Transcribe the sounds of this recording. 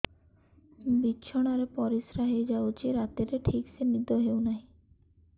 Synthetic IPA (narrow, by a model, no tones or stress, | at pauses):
bitːɕʰoɽ̃aɾepɔɾisɾaɦed͡ʑaot͡ɕʰiɾat̪eɾeʈʰiksenid̪ʱoɦewnaj